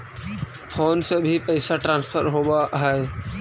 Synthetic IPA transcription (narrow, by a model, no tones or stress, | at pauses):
fʰoːnsebʱipəɪsaʈɾãːnspʰəɾɦobaɦɛɛ